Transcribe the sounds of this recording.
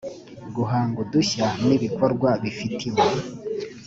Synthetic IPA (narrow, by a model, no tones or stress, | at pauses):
ɡuɦaːŋɡuduçaniβiko̞ɾɡwaβifitʰimo